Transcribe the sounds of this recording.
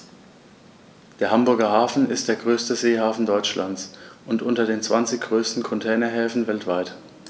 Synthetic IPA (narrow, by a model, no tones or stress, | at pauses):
d̥eːɐhambʊɐɡɐhaːfn̩ɪst̚d̥eːɐɡʁøːstəzeːhaːfn̩dɔʏt͡ʃla̰nt͡sʔʊntʔʊntɐdeːnt͡sv̥ant͡sɪçɡ̥ʁøːstn̩kʰɔntʰɛːnɐɦɛːfn̩vɛltv̥aɪt